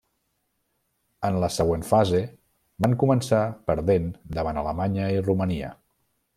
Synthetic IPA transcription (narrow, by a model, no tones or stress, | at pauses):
ənləsəɣ̞wenfaze | baŋkumənsapəɾðend̪əβ̞anələmaɲəiruməniə̰